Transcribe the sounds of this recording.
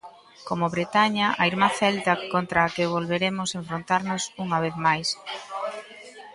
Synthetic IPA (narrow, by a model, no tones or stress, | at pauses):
komʊβɾet̪aɲɐʔaiɾmaθɛlt̪ɐkont̪ɾaːkɪβ̞olβeɾemʊseɱfɾont̪aɾnʊsuŋɐβ̞eθmajs